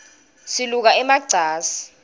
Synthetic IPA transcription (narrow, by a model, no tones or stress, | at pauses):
siluk̬aɛmaɡ͡ǀʱaːsi̥